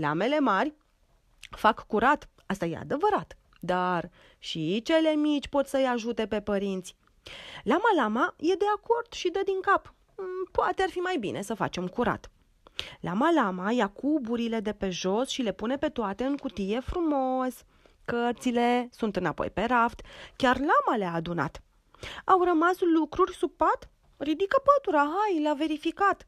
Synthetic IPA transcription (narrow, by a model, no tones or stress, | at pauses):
la̰me̞le̞marʲ | fakːuɾat̪ | ast̪aje̞̰a̰d̪e̞vəɾat̪ | d̪ar | ʃit͡ʃe̞le̞mit͡ʃʲpo̞t̪səjaʒut̪e̞pe̞pəɾint̪sʲ | lamalamaje̞d̪e̞ako̞rd̪̥ʃid̪əd̪iŋkap | poat̪e̞arfimajbḭnʔe̞səfa̰t͡ʃe̞mkuɾa̰t̪ | lamalamajakubuɾile̞d̪e̞pe̞ʒo̞sʃile̞pune̞pe̞t̪oat̪e̞ɨŋkut̪ije̞fɾumo̞s | kərt̪sile̞sunt̪ɨna̰po̞̰jpe̞ɾaft̪kʲarlamaleaːd̪una̰t̪ | awrəmaslukɾurʲsupat̪ | rid̪ikəpət̪uɾaɦajleave̞ɾifikat̪